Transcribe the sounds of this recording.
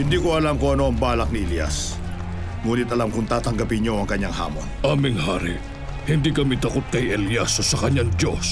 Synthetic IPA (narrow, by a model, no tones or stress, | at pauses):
hɪnd̪iːko̞ɐlamko̞ʔɐno̞ʔɐŋbaːlɐk̚nɪʔɛljɐ̰s | ŋuːnɪt̪ʔɐlamkʊŋt̪aːt̪ɐŋɡɐpɪɲjoɐŋkɐɲːaŋha̰ːmonʔaːmɪŋha̰ːɾḭʔ | hɪnd̪iːkɐmit̪ɐkot̪̚kɐjʔɛljɐsosɐkɐɲaŋd̪os